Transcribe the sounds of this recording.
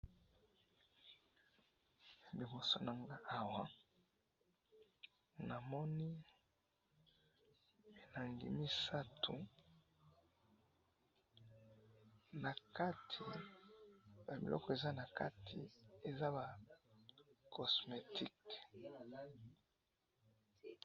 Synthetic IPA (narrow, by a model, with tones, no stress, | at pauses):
bi˨mo˨so˨na˨ŋɡa˦a˨wa˨˦ | na˨mɔ˦ni˦ | e˨na˨li˨ŋɡḭ˨mi˦sa˦tʰu˨ | na˨ka˦tʰi˨ | ja˨bḭ˨lɔ̰˦kɔ˦e˨za˦na˨ka˦tʰi˨e˨za˦ba˨ | kʰɔ˨sme˨tʰi˦k